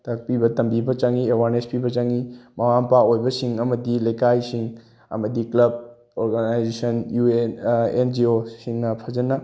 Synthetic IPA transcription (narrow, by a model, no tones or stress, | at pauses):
tɐk̚pibɐtɐmbibɐt͡ʃɐŋiewaɾnespibɐt͡ʃɐŋimɐmampaojbɐsiŋɐmɐdilɐjkajsiŋ | ɐ̰mɐdiklɐb̚ | oɾɡanajd͡ʒesɐnjuenḛnd͡ʒiosiŋnɐpʰɐzɐnɐ